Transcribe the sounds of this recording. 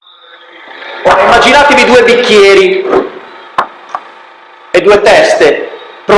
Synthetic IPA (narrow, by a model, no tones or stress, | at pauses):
ɔaimːad͡ʒinaːt̪evid̪uːebikʲːjɛːɾi | ed̪ːuːet̪ɛst̪epɾo